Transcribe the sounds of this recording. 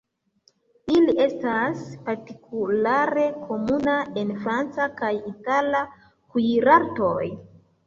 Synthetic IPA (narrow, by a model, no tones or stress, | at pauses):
iliʔe̞staspaɾtikulaɾe̞kʰo̞munaenfɾant͡sakajitala | kuɾaɾto̞j